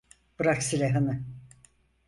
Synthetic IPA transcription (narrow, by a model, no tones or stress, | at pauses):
b̥ɯɾaksilʲaɦɯnɯ